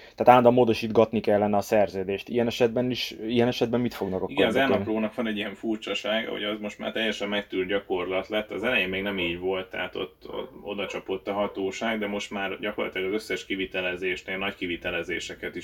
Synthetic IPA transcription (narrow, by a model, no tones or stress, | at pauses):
t̪aːt̪aːd̪ɒmoːd̪oʃiːd̪ɡɒt̪nikɛlːɛnɛɒsɛrzøːd̪eːʃt̪ijɛnɛʃɛd̪̚bɛniʃijɛnɛʃɛd̪̚bɛmːit̪fo̞ɡnɒkɒkiɡɛnzɛlnɒploːnɒkʋɒnɛɟːijɛɱfurt͡ʃɒʃaːɡɒ̰ho̰ɟɒzmo̞ʃt̪ma̰ːrt̪ɛjːɛʃɛmːɛk̚t̪ylt̪̚ɟɒko̞rlɒt̪lɛt̪ːɒzɛlɛjeːmmeːɡnɛmiːɟvo̞lt̪ːɛ̰ɦat̪o̞̰t̪ːo̰o̞̰d̪ɒt͡ʃɒpo̞t̪ːɒɦɒt̪oːʃaːɡd̪ɛmo̞ʃt̪maːrɟɒko̞rlɒt̪ilɒɡɒzøsːɛʃkivit̪ɛlɛzeːʃneːlnɒckivit̪ɛlɛzḛːʃɛkɛt̪iʃ